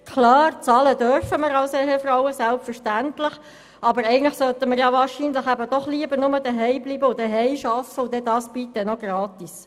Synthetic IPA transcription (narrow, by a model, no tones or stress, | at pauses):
kʰlɑːɾt͡sɑːlədœɾfəməɾɑlsɛɦefɾawəsælpfəɾʃtæntlɪχ | ʔɑbəɾɛɪɡəntləχsœt̪əməɾjɑvɑːɹʃinləχæbəd̥ɔχliəbəɾnʊmədəɦɛɪbliːbəʊdəɦɛɪʃɑfəʊd̥̪ɛdɑːsb̥it̪ːɛnɔɡ̥ɾɑːt̪is